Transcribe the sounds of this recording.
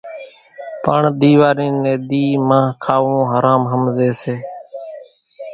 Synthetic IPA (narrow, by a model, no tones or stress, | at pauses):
pə̰ɳd̪iːʋaːɾiːnːẽːd̪iːmãːɦkʰaːʋõːɦəɾaːmɦəmzeːseː